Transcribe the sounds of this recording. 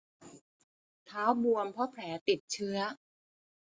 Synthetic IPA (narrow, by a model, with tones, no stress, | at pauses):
t̪ʰaː˦˥wbu˧əmpʰɔ˦˥pʰlɛː˩˦t̪i˨˩t̪̚t͡ɕʰɯ˦˥ɐ